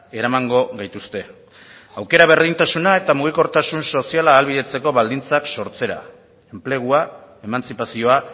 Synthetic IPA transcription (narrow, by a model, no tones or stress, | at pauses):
e̞ɾamaŋɡo̞ɣajt̪ust̪e̞ | awke̞ɾaβ̞e̞ɾðint̪asunae̞t̪amuɣ̞iko̞ɾt̪asunso̞sialaːlβiðe̞t͡se̞ko̞βald̪int͡sakso̞ɾt͡se̞ɾa̰ | e̞mple̞ɣ̞uae̞mant͡sipasio̞a